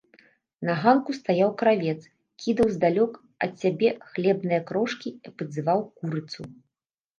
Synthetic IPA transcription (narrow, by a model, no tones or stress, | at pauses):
nɐɣankust̪ajawkɾavʲɛt̪s | kʲʰid̪ɐwzd̪alʲɔk | ɐ̰t̪ʲsʲabʲɛxlʲɛbnɨjɐkɾɔʂkʲiɐpɐd̪zɨvawkuɾɨt̪su